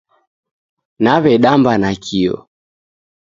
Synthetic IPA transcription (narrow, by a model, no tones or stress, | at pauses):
naβɛɗambanakʰiɔ̰